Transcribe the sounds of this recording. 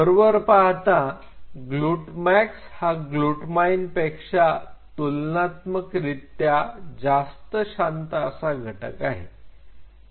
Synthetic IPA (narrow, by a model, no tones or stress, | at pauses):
əɾʋəɾpaɦt̪a | ɡluʈmækshaɡluʈmajnpekʂat̪ulnat̪məkɾit̪jad͡zast̪əɕant̪əəsaɡʱəʈə̰kaɦe